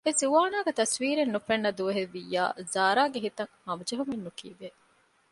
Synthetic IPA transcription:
eziʋaːnaːɡɐt̪ɐsʋiːɾenːufenːɐd̪uʋɐɦeʋːijːa̰ːzaːɾaːɡeɦit̪ɐŋhɐmɐd͡ʒɐɦumenːukiːʋe

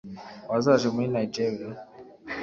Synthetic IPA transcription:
wazaʒɛminajd͡ʒɛɾia

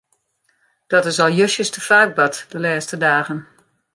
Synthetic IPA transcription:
d̥ɔtɪsɔlˠjøʃəstəfaːr̚bɔtdəlɛːstədaːɣən

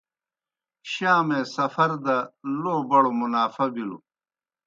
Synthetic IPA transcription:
ɕaːmeːsɐfɐɾd̪ɐloːbɐɽomunaːfɐbilṵ

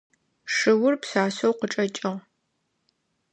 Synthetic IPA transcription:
ʂɨwʊrpsaːsowqəʈ͡ʂʼɐt͡ʃʼɪʁ

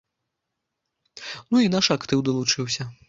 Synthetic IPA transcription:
nuinaʂakt̪ɨwd̪ɐlˠut͡ʂɨwsʲɐ

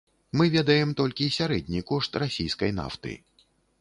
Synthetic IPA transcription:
mɨvʲɛd̪ɐjɛmt̪ɔlʲkʲisʲaɾɛd̪ʲnʲikɔʂt̪rasʲijskɐjna̰ft̪ɨ̰

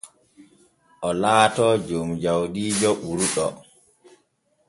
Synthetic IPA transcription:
ʔɔlaːtɔd͡ʒomd͡ʒawdiːd͡ʒɔɓuɾuɗɔ

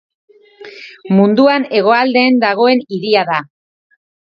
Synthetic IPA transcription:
mund̪uane̞ɣ̞o̞ald̪e̞ːnd̪aɣ̞o̞e̞niðiaða

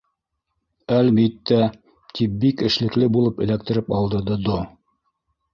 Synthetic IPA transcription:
ælmit̪ːæ | t̪ʰip̚bikɘ̆ʃlɘ̆klɘbulˠɤpɘ̆læk̚t̪ɘ̆ɾɘpɑlˠd̪ɤ̆ɾd̪ɤd̪o

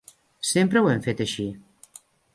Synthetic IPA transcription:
sempɾəwɛɱfet̪əʃi

